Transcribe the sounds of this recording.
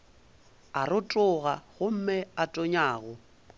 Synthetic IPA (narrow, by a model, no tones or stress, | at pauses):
arʊtʼʊɣaɣʊm̩mɪatʼoɲaːɣʊ